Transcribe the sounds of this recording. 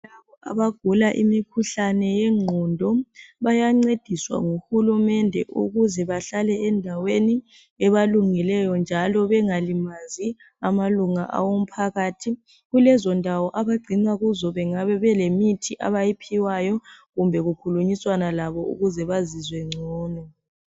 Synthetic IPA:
laβɔʔa̰βaɡ̥ʱulaʔḭmikʰuɬanɛjɛŋ͡ǀʱɔndʱɔβajaŋ͡ǀed̥ʱiswa̰ŋuxulumɛndʱɛʔṵɣuzɛβaɬalɛɛndʱaweni | ɛβaluŋilɛjɔnd͡ʒʱalɔβɛŋalimazi | amaluŋaʔa̰wom̩pʰaɣaːtʰi | ɣulɛzɔndʱawɔʔaβaɡ͡ǀʱiŋ͡ǀaɣuzɔβɛŋaβɛβɛlemitʰiʔaβajipʰiwajɔɣumbʱɛɣukʰuluɲiswanalaβɔṵɣuzɛβazizwɛŋ͡ǀʱɔːnɔ

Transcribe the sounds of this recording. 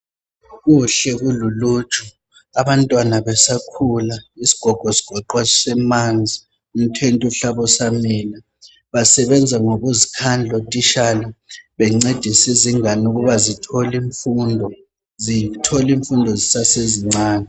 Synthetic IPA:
ɣuɬɛɣululuːt͡ʃʰʼɔ | aβantʼwanaβɛsakʰulaisi̥ɡ̥ʱɔɡ̥ʱɔsi̥ɡ̥ʱɔǃwasɛmand͡zʱi | um̩tʰentʼuɬaβɔsamiːla | βasɛβɛnd͡zʱaŋoβuzikʰand͡ɮʱotʼiʃalaβɛŋ͡ǀed̥ʱisiziŋanuɣuβazitʰɔliɱfundʱɔ | zitʰɔliɱfundʱɔzisaseziŋ͡ǀaːnɛ

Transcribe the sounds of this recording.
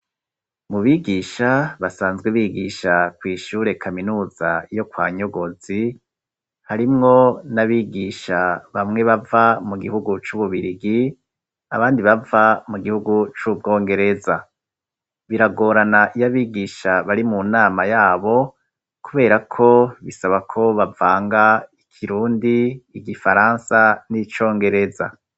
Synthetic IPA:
muβiɡiːʃaβasaːnzɡweβiːɡiːʃakwiːʃuːɾe̞kʰaminuːza̰jo̞kwaːɲo̞ɡo̞z̥i | haɾimŋo̞naβiːɡiʃaβamŋe̞βavamuɡihuɡut͡ʃuβuβiɾiɡi | aβaːndiβavamuɡihuɡut͡ʃub̚ɡo̞ːŋɡe̞ɾe̞za | βiɾaɡo̞ːɾanaʔijaβiːɡiːʃaβaɾimunaːmajaːβo̞ | kuβe̞ːɾakʰo̞βisaβakʰo̞βavaːŋɡaikʰiɾuːndiːɡifaɾaːnsanit͡ʃo̞ːŋɡe̞ɾe̞za̰

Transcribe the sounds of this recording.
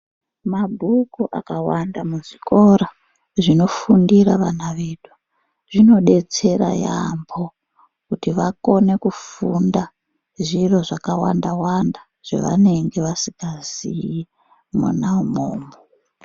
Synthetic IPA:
mabʱukuʔa̰kawandamuʐiko̞ɾa | ʐino̞fundiraʋanaʋeːdwa | ʐ̥ino̞ɗe̞t͡se̞ɾa̰ja̰mbʰʱo̞ | kutiʋako̞ne̞kufunda | ʐiro̞ʐakawandawanda | ʐ̥ḛʋa̰ne̞ŋɡe̞ʋasiɡaziji | mṵnaumoːmo

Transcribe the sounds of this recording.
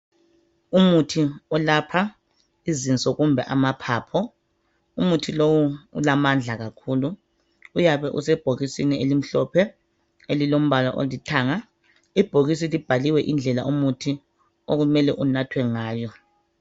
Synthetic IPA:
umutʰiɔlapʰa | izint͡sʼɔɣumbʱɛʔamapʰaːpʰɔ | umutʰilowṵːlamand͡ɮʱaɣakʰuːluː | jaβɛʔṵsɛb̥ʱoɣisinielim̩ɬɔpʰɛ | elilom̩βalɔ̰ʔo̰litʰaːŋa | ib̥ʱoɣis̬ilib̥ʱaliwɛʔind͡ɮʱɛla̰ʔumutʰi | oɣumɛlɛʔunatʰwɛŋaːjɔ

